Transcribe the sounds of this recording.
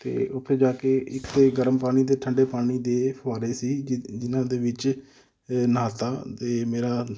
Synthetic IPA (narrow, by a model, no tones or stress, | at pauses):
t̪ḛːʊt̪ʰːeːd͡ʒaːkeːʔɪkeɡəɾəmpaːɽ̃iːd̪eːʈʰəɳɖeːpaːɽ̃iːd̪eːpʰaːɾeːsiːd͡ʒɪnãːd̪eːʋɪt͡ʃ | naːt̪aːt̪eːmeːɾaː